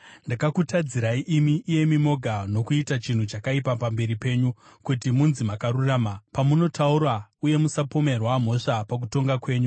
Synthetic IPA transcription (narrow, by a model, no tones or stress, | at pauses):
ndakakutad͡ziɾaiʔimiʔːje̞mimo̞ɡʱano̞kuitat͡ʃin̤ut͡ʃakaipapambe̞ɾipe̞ːɲukutimunzimakaruraːmapamuno̞tʰauɾauje̞musapo̞me̞rwam̤o̞ʂapak̬uto̞ŋɡakwe̞ːɲu